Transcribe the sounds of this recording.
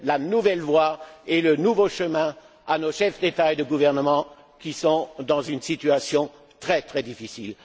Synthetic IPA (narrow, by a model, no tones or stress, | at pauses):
lanuvɛlvwaelənuvoʃəmɛ̃ | anoʃɛfd̪et̪aed̪əɡuvɛʁnəmɑ̃ | kʲisɔ̃d̪ɑ̃zynsit̪yasjɔ̃ | t̪χɛt̪χɛd̪ifisil